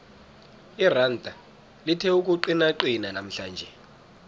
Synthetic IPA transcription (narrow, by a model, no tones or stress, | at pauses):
irantʼa | litʰɛuk̬ʼuǃinaǃinanam̩ɬaːnd͡ʒʱɛ